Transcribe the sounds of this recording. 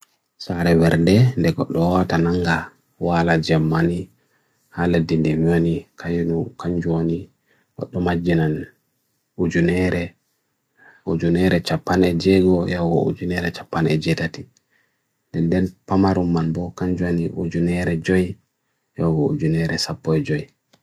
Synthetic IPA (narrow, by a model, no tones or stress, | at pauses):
saɾɛwɛɾdɛndɛɡɔɗːɔwatanaŋɡa | walad͡ʒamːani | haladːindemiwanikʰajnukaɲd͡ʒuwoni | ɡɔ̰ɗːɔmad͡ʒːinan | ud͡ʒunɛɾɛ | ud͡ʒunɛɾɛt͡ʃapːanɛd͡ʒɛɡɔjawɡɔṵd͡ʒunɛɾɛt͡ʃapːanɛ̰d͡ʒɛtati | ndɛndɛnpamaɾumːanbɔkaɲd͡ʒuwaniʔṵd͡ʒunɛɾɛd͡ʒɔj | jawɡɔṵd͡ʒunɛɾɛsapːɔɛd͡ʒɔj